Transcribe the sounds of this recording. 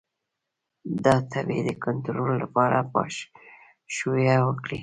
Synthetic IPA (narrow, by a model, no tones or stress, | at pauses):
d̪ɑt̪ʰabed̪əkʊnt̪ɾolːapɑɾapɑ̰ʃ | ʃujawəkɽi